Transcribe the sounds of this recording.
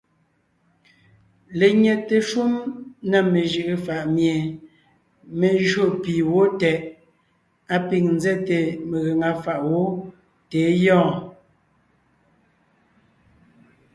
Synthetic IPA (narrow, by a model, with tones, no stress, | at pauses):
le˨ɲɛ˨te˨ʃu˦mna˦˨me˨ʒi˨ʔe˨fa˨ʔmje˨ | me˨ʒɰo˦˨piː˨wo˦tɛ˨ʔ | a˦pi˨ŋn̩˦zɛ˦te˨me˨ɣe˨ŋa˨fa˨ʔwo˦ | teː˨˦jɔ̃ː˦˨